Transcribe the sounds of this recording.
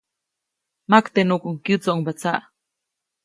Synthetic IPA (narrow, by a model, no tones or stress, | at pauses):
makt̪enukuŋkjut͡soʔuŋbat͡saʔ